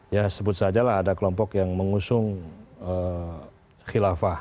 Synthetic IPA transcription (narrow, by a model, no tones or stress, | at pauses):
jasəbʊt̪̚sad͡ʒalaɦadakəlɔmpɔkjaŋməŋusʊŋə | xilafah